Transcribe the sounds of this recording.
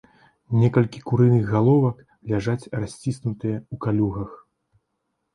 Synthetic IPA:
nʲɛkɐlʲkʲikuɾɨnɨɣːalˠɔvɐk | lʲaʐat͡sʲrasʲt͡sʲisnut̪ɨjɐukalʲuɣɐx

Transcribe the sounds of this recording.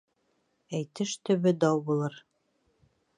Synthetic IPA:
æjt̪ɘʃt̪ɵ̆βɵd̪ɑwbulˠɤɾ

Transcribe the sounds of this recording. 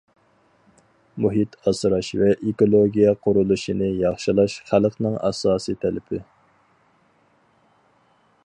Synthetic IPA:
muɦit̪ʰɑsɾɑʃvɛʔekolˠoɡʲijɛqʰʊɾulˠuʃinɨjɑχʃɨlˠɑʃχælqnɨŋɑ̰sɑːsit̪ʰɛlɪpʰɪ

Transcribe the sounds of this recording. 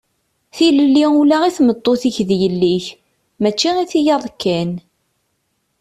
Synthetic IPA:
θiləlːiulaiθmət̪ˤːoθiçðjəlːiç | mæt͡ʃːiiθijɑðˤkːæn

